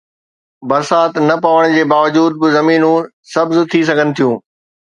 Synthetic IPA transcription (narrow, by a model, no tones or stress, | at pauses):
bɐɾsaːt̪nɐpɐʋəɽ̃d͡ʑeːbaːʋəd͡ʑuːd̪̚bɪzɐmiːnũ | sɐbzʊt̪ʰis̬ɐɡʱənɪ̆t̪ʰijũː